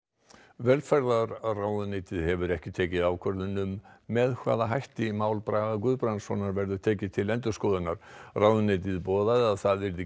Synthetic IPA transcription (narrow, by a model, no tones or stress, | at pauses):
vɛɾlfɛɾðaɾraːwðʏnejt̪ɪðhɛvʏɾɛhcɪt̪ʰɛːcɪðawkʰvœɾðʏnʏmːɛðkʰva̰ːðaɦajht̪ɪmaːwlpɾaːɣakʏðpɾansvɔnaɾvɛɾðʏ̥t̪ʰɛːcɪ̥t̪ʰɪlɛnt̪ʏ̥skɔðʏnaɾ̥raːwðʏnejt̪̬ɪðpɔːðaðaðθaðvɪɾðɪ